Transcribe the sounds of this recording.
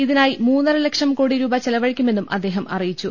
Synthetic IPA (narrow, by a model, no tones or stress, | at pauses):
iðinaːjimuːnːɐrɨlɐkʂɐmkoːɽiɾuːbɐt͡ɕelɐʋɐɻikʲːume̞nːumʔɐ̰d̪ːe̞ːɦɐmɐrijit͡ɕːu